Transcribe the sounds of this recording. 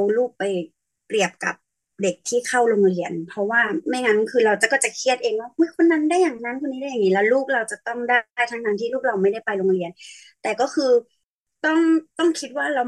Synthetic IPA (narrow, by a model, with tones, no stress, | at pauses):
wluː˥˩k̚pa˧j | pɾi˨˩əp̚ka̰˨˩p̚ | de˨˩k̚t̪ʰiː˥˩kʰa˥˩wlo˧ŋli˧˩ənpʰɔ˧˦˥waː˥˩ma˥˩jŋa˦˥nkʰɯː˧ɾa˧wt͡ɕa˨˩kɔː˥˩t͡ɕa˨˩kʰi˦˥˩ət̪̚ʔeː˧ŋwaː˥˩ho˦˧˥jkʰo˧nːa˧˥ndaː˥˩jaː˨˩ŋna˦˧˥nkʰo˧nːiː˦˥a˥˩ja˨˩ŋniː˦˧lɛ˧˦˥luː˥˩k̚ɾa˧wt͡ɕa˨˩t̪ɔ˥˩ŋdaː˥˩jt̪ʰa˦˥ŋɡaː˧ŋt̪ʰiː˥˨luː˥˩k̚la˧wma˥˩jda˥˩jpa˧jlo˧ŋli˧ən | t̪ɛː˨˩kɔː˥˩kʰɯː˧ | t̪ɔ˥˩ŋt̪ɔ˥˩ŋkʰi˦˥t̪̚waː˥˩ɾa˧w